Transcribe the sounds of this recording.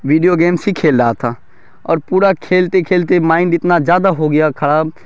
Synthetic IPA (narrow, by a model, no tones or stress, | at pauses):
ʋiːɖijoɡeːmsikʰeːlɾaːt̪ʰaː | ɔ̰ːɾpuːɾakʰeːlt̪ekʰeːlt̪emaːɪɳɖɪt̪nazjaːd̪aɦoɡɐjakʰɐɽa